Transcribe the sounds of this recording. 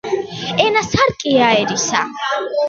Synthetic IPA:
ɛnasaɾkʼiaɛɾisa̰

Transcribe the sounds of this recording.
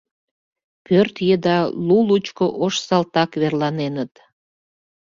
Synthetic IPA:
pørt̪jed̪ɑlulut͡ɕkoʔoʃsɑlt̪ɑkβerlɑnenət̪

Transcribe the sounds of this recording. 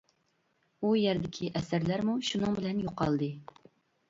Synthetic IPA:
ujɛɾd̪ɪkʲʰiʔɛsæɾlæɾmuʃunɨŋbɪlɛnjoqɑlˠd̪ɨ

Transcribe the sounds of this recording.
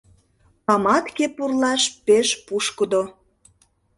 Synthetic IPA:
ɑmɑt̪kepurlɑʃpeʃpuʃkəd̪o

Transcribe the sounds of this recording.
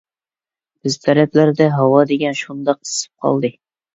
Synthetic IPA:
b̥ɪzt̪ʰæɾɛplæɾd̪ɛɦɑwɑd̪eɡʲɛnʃund̪ɑq̚ɨ̥sɨ̥p̚qʰɑ̰lˠd̪ɨ

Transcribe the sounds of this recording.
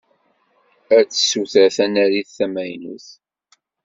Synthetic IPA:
æt͡sːə̥suθæθænæɾiθːæmæjnṵθ

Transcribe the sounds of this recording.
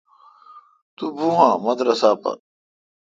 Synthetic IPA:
t̪ubuɦãːmɐd̪ɾɐsaːpɐ̰

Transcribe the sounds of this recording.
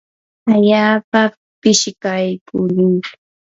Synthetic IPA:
aʎaːpa | pɪʃkajkʊɾɪj

